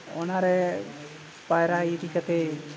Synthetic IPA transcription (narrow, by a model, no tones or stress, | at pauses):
ɔ̰naɾɛ | pajɾait̪ikat̪e